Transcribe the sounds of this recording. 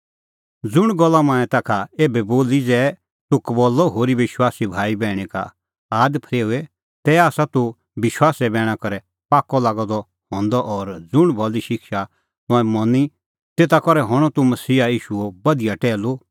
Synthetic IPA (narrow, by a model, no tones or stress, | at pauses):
d͡zʊɽ̃ɡɔlːamãːɛ̃t̪akʰaeːbɛboːlid͡zɛː | t̪ʊkbɔːlːɔɦoːɾiʋɪʃwaːsibʱaːibɛːɽ̃ɛka̰ | aːd̪pʰɾeːuɛ | t̪ɛaːsat̪u | ʋɪʃwaːsɛbɛːɽ̃akɐɾɛ | paːkːɔlaːɡɔd̪ɔ | hɔ̃ːnd̪ɔʔɔɾd͡zʊɽ̃bʱɔliʃɪkʃa | t̪ːɛ̃mɔni | t̪eːt̪akɔɾɛɦɔɽ̃ɔt̪umɐsiːaiːʃuobɐd̪ijaʈɛːlo